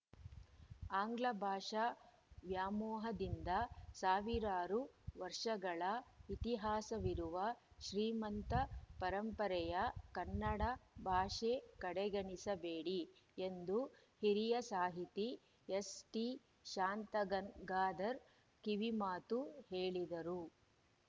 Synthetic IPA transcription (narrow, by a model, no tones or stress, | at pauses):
aːŋɡlɐbʱaːʂa | ʋjaːmɔːɦɐd̪ind̪ɐsaːʋiɾaːɾuʋɐɾʂɐɡɐɭɐit̪iɦaːsɐʋiɾuʋɐʃɾiːmɐnt̪ɐpɐɾɐmpɐɾɛjɐkɐnːɐɽɐbʱaːʂekɐɽɛɡɐɳisɐbeːɽiend̪u | hiɾijɐsaːɦit̪i | esʈi | ʃaːnt̪ɐɡɐɡaːd̪ɐɾ | kiʋimaːt̪uhe̞ːɭid̪ɐɾu